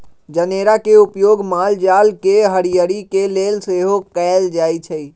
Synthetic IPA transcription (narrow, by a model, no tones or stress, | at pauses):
d͡ʒəneːɾakeupjoːɡmaːld͡ʒaːlkeɦəɾijəɾikelelseɦokɛɪld͡ʒaːit͡ʃʰəi